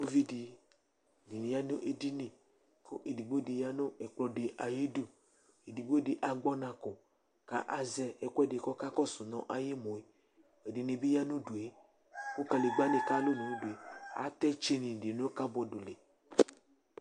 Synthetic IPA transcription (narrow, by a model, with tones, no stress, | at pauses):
o˦vi˦di˨ | ni˨nĩ˨ja˦nʊ̃˦ʔe˨di˦nẽ˨ | ko˦ʔe˨di˨ɡ͡bo˦de˨ja˦nʊ̃˦ɛ˨k͡plɔ˨de˨ʔa˨ji˦du˦ | e˨di˨ɡ͡bo˦de˨ʔa˨ɡ͡bɔ˦nã˨kʊ˨ | ka˨˦ʔa˨zɛ˦ɛ˨kʷɛ˦de˨kɔ˦ka˦kɔ˦sʊ˨nɔ̰̃˨ʔa˨je˦mõ˨e˨ | e˨di˨nẽ˨bi˦ja˦nʊ̃˦do˨e˦ | ko˦ka˨le˨ɡ͡ba˦nẽ˨ka˦lʊ˦nũ˨˦do˨e˨a̰˨˦t̪ɛ˦t͡ʃe˦nĩ˨de˨nõ˦ka˦bɔ˨do˨le˨